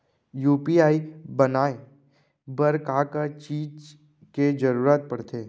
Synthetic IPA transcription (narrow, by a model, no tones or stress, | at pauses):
juːpiaːibɐnaːe | bəɾkaːkət͡ʃiːd͡ʒ | ked͡ʒəɾuːɾaːt̪̚pɐɽt̪ʰeː